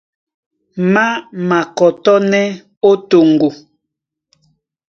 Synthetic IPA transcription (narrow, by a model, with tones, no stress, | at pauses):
ma˦ma˨kɔ˨tɔ˦nɛ˦ | o˦to˨ŋɡo˨